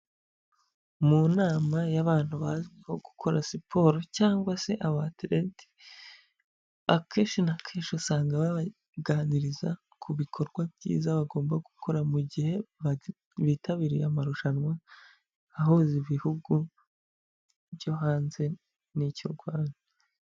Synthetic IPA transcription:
munaːmajaβaːn̥huβazweho̞ɡukʰo̞ɾasipʰo̞ɾocaːŋɡwase̞ʔaβatiɾeti̥ | βakʰe̞ːʃinakʰeːʃusaːŋɡaβaβa | ɡaniɾiza | kʰuβikʰo̞ɾɡwabɟḭːzaβaɡo̞ːmbaɡukʰo̞ɾamuɟihe̞βa | βitaβiɾijamaɾuʃanwa | aɦoziβihuɡu | βjo̞ɦaːnze̞ | nico̰ɾɡwaːnaa

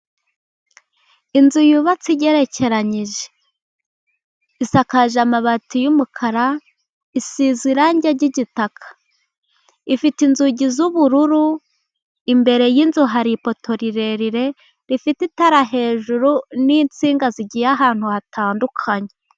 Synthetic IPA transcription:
inzujuβat͡siɟe̞ɾe̞ce̞ɾaɲiʒe̥ | isakaʒamaβatujumukʰaɾa | isiziɾaɲɟaɟiɟitakʰḁ | ifitinzuɟizuβuɾuɾu | imbe̞ɾe̞jinzuɦaɾipo̞tʰo̞ɾiɾe̞ɾiɾe̞ | ɾifititaɾaɦe̞ːʒuɾuniːnt͡siːŋɡaziɟijaɦaːn̥huhatʰaːndukʰaɲe

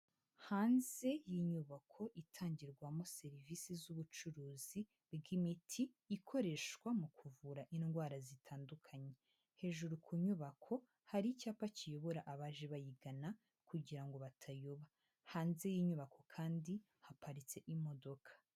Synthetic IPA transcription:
haːnze̞jiɲuβakʰo̞ʔitʰaːɲɟiɾɡwamo̞se̞ɾivisizuβut͡ʃuɾuːzi | bɡimitʰiː | kʰo̞ɾe̞ʃkwamukʰuvuɾaʔinɡwaːɾazitʰaːndukʰaɲe̞ | he̞ːʒuɾukʰuɲuβakʰo̞ | haɾicaːpacijo̞βo̞ɾaʔaβaːʒeβajiɡana | kuɟiɾaŋɡo̞βatʰajoβa | haːnze̞jiɲuβakʰo̞kʰaːndi | hapaɾit͡se̞ʔimo̞do̞kʰḁ

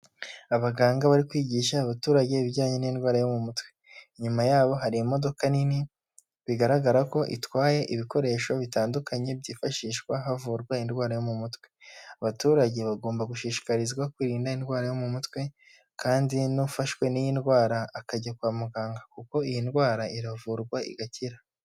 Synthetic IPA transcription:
aβaɡaːŋɡaβaɾikwiːɟiʃaːβatuːɾaɟe̞βiɟaːɲenindɡwaːɾajo̞mumutwe̞ | ɲumajaːβo̞ɦaɾiimo̞do̞kanini | βiɡaɾaɡaɾako̞ʔḭtwaːje̞ʔiβiko̞ɾe̞ːʃo̞βitaːndukʰaɲe̞bɟiːfaʃiːʃkwaɦavuːɾɡwainɡwaːɾajo̞mumutwe̞aβatuːɾaɟe̞βaɡo̞ːmbaɡuʃiːʃi̥kaɾizɡwakwiɾiːndainɡwaːɾajo̞mumutwe̞ | kaːndinufaʃwe̞nijindɡwaːɾaːkaɟakwaːmuɡaːŋɡakuko̞ijindɡwaːɾaiɾavuːɾɡwaḭɡaciɾa

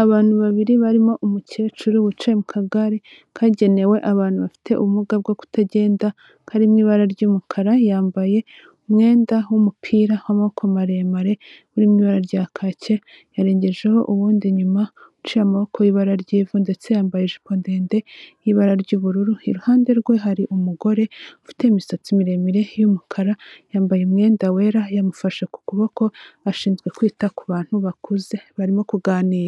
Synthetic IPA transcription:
aβaːn̥huβaβiɾiβaɾimo̞ʔumucet͡ʃuɾiβut͡ʃemukʰaɡaɾe | kʰaɟe̞ne̞we̞ʔaβaːn̥uβafi̥tʰe̞ʔuβumuɡab̚ɡoku̥taɟe̞ːnda | kʰaɾimŋiːβaɾaɾɟuːmukʰaɾajaːmbaje̞ | umŋe̞ːndawumupʰiːɾawamaβokʰomaɾemaɾe̞βuɾimŋiːβaɾaɾɟakʰace̞ | jaɾeːɲɟe̞ʒe̞ho̞ʔuβuːndiɲuma | ut͡ʃijamaβokʰojiβaɾaɾɟiːvunde̞t͡se̞jaːmbajeʒiponde̞ːnde̞jiβaɾaɾɟuːβuɾuɾuiɾuhaːnde̞ɾɡwe̞ɦaɾiʔumuɡo̞ɾe̞ufi̥te̞imisat͡simiɾe̞miɾe̞jumukʰaɾajaːmbajemŋe̞ːndawe̞ːɾajamufaʃaku̥kuβako̞aʃiːnzɡwe̞kwiːtakuβaːn̥huβakʰuze̞βaɾimo̞kuɡaːniːɾa

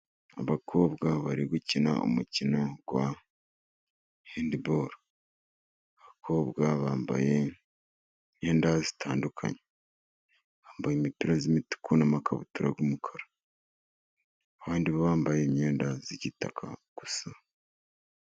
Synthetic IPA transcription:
a̰βakʰo̞ːbɡaβaɾiɡucina̰o̰mucinoɡ̥wa | heːndiboːɾa | aβakʰo̞ːβɡaβaːmba̰je | ɲe̞ːndazi̥tʰaːndukʰa̰ɲe̥ | βaːmbajemipiɾazimitu̥kʰunamakʰaβṵtuɾa̰ɡumukʰaɾḁ | βaːndiβaβaːmbaje̞ɲɲe̞ːndaziɟitakʰa̰ɡ̥usa

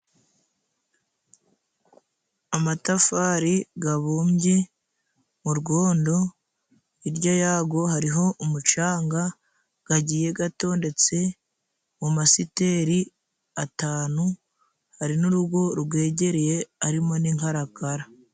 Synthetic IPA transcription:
amatafaːɾiɡaβuːmbje̞ | muɾɡo̞ːndo̞ | iɾɟojaːɡo̞ɦaɾiɦo̞ʔumut͡ʃaːŋɡa | ɡ̥aɟiːje̞ɡato̞ːnde̞t͡se̞ | mumasite̞ɾi | ataːnu | haɾinuɾuɡo̞ɾɡwe̞ːɟe̞ɾeje̞aɾimo̞niŋhaɾakaɾa

